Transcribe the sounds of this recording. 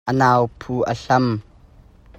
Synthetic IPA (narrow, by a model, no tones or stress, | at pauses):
ʔənaːwpʰuːʔəɬɐm